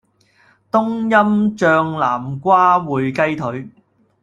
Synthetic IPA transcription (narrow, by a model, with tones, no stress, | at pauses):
t̪ʊ˥ŋjɐ˥mt͡ʃœː˧ŋlaː˨˩mkʷaː˥wuː˨jkɐ˥jt̪ʰɵ˨˥ɥ